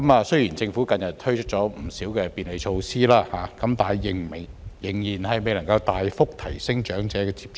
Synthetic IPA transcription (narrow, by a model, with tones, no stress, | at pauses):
kɐ˨˦maː˧sɵ˥jiː˨˩nt͡sɪ˧ŋfu˨˥kɐ˧njɐ˨t̚t̪ʰɵ˥ɥt͡ʃʰɵ˥t̚t͡ʃɔː˨˥m̩˨˩siː˨˥wkɛː˧piː˨˧nle˨˧jt͡ʃʰo˧wsiː˥laː˥haː˨˦kɐ˨˧˥mt̪aː˨˩jjɪ˨ŋm˨˩ŋjɪ˨˩ŋjiː˨˩nhɐ˨jme˨˧jlɐ˨˩ŋkɐ˧wt̪aː˨jfʊ˥k̚t̪ʰɐ˨˩jsɪ˥ŋt͡ʃœː˨˥ŋt͡sɛː˨˥kɛː˧t͡si̥ː˧˥p̚t͡ʃ